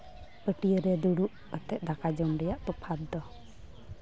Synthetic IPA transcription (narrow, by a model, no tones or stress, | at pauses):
pəʈiəɾɛd̪uɽuʔ | ət̪ɛʔ̪̚ˀd̪akad͡ʒɔmɖɛjaʔt̪ɔpʰat̪̚d̪ɔ